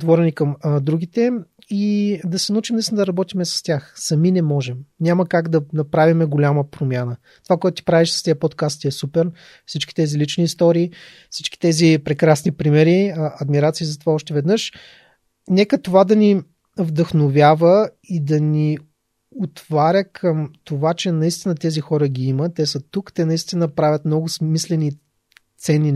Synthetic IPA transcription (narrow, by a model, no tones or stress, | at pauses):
t̪vɔɾɛnikəmd̪ɾuɡ̟it̪ɛ | id̪ɐsɛnut͡ʃimnɛsd̪ɐɾɐbɔt̪imɛsɐ̥st̪ʲjaxsɐminɛmɔʒɛmnʲaməkaɡd̪ɐnɐpɾavimɛɡolʲaməpɾomʲjanə | t̪ovakoɛt̪ʊt̪i̥pɾaviʃsə̥st̪iəpot̪kast̪iɛsupɛɾ | fsit͡ʃki̥t̪ɛzilit͡ʃniːst̪ɔɾiː | fsit͡ʃki̥t̪ɛzipɾɛkɾasnipɾimɛɾiɐd̪miɾat̪siːzɐt̪ovaɔʃt̪ɛvɛd̪nɤʃ | nɛkət̪ovad̪ɐni | vd̪əxnovʲjavə | id̪ɐni | ot̪vaɾʲəkʰəmt̪ovat͡ʃɛnɐist̪inət̪ɛzixɔɾəɡʲiimət̪ɛsət̪ukt̪ɛnɐist̪inəpɾavʲət̪mnɔɡʊsmislɛni | t̪sɛnːi